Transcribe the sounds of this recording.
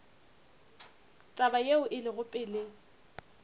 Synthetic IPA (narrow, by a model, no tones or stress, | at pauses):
t͡ʃʼabajeʊʔɪlɪɣʊpʼɪːlɪ